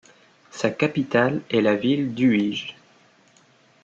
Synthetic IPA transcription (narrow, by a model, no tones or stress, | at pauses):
sakapit̪alɛlavild̪yiʒ